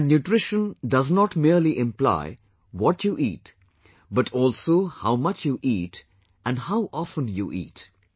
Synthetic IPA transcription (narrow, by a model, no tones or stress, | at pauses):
njuʈɾɪʃə̃ndʌznɔʈmiəɾliʔɪ̃mpla̰ɪ | wɔʈʰjuːʔiːʈ | bʌʈʰɔːlsoːhaʊmʌt͡ʃjuːʔiːʈ | ʔæ̃nɖhaʊʔɔfə̃njuʔḭːʈ